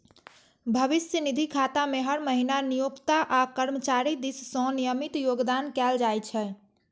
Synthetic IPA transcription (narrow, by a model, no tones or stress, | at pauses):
bʱəʋisjənid̪ʱikʰat̪ameɦəɾməɦinanijokt̪aʔakəɾmət͡ʃaɾid̪issɔ̃nijəmit̪joɡd̪ankɛld͡ʒajt͡ʃʰɛ